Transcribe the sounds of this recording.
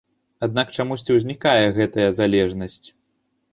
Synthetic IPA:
ad̪nakt͡ʂamusʲt͡sʲiwzʲnʲikajɛɣɛt̪ɐjɐzalʲɛʐnɐsʲt͡sʲ

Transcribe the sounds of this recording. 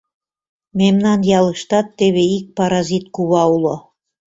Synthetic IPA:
memnɑnjɑlɤ̆ʃt̪ɑt̪ːeβeik̚pɑɾɑzit̪̚kuβɑulo

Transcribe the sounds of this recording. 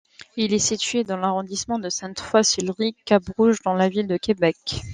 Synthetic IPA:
ilɛsit̪ɥed̪ɑ̃laʁɔ̃d̪ismɑ̃d̪əsɛ̃t̪fwasilʁikabʁuʒd̪ɑ̃lavild̪əkebɛk

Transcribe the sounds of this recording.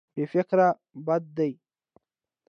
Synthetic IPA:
befɪkɾa | bad̪̚ːaj

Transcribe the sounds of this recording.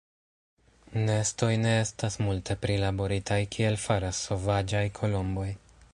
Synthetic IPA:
ne̞sto̞jne̞e̞stasmultʰe̞pɾilabo̞ɾitʰajkʰie̞lfaɾasːo̞vad͡ʒajkʰo̞lo̞mbo̞j

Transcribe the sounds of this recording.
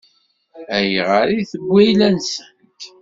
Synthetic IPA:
æjʁəɾiθəɡʷːæjlænsənk

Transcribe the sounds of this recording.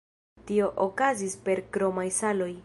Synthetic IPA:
tio̞ʔokazispe̞ɾkɾo̞majsalo̞j

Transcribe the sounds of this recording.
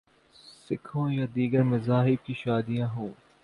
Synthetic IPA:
sɪkʰõjad̪iːɡəɾmɐ̃zaːɦɪb̚kiʃaːd̪ijãɦũː

